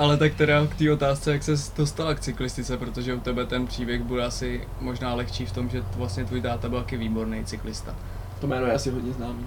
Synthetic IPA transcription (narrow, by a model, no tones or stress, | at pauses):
ʔalɛt̪akt̪ɛɾakt̪iːʔo̞t̪aːst͡sɛjaksɛdo̞st̪alakt͡sɪklɪst̪ɪt͡sɛpɾo̞t̪o̞ʒɛut̪ɛbɛt̪ɛnpr̝̥iːbjɛɣbudɛasɪ | mo̞ʒnaːlɛxt͡ʃiːft̪o̞mʒɛvlast̪ɲɛt̪vuːjt̪aːt̪abɪlkɪviːbo̞ɾnejt͡sɪklɪst̪a̰ | t̪omɛːnojɛasɪɦod̪ɲɛznaːmiː